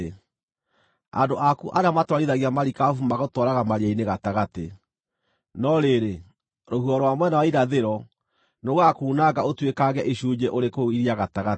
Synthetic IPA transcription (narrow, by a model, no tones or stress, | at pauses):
a̰ndoʔakuʔaɾeamatwaɾiðaɣiamaɾikafumaɣotwɔɾaɣamaɾiaineɣataɣate | nɔɾeɾe | ɾohuɔɾɔwamwɛnawaiɾaðeɾɔ | noɣakuːnaɡaotwekaɣɛʔeɕud͡ʑɛʔoɾekoiɾiaɣataɣa